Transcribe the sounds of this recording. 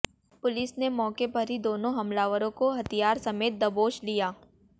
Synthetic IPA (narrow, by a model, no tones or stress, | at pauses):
pʊlɪsnemɔːkepɐɾɦid̪oːnõɦɐmlaːʋəɾõkoɦɐt̪ijaːɾsɐmeːt̪̚d̪ɐboːʃlijaː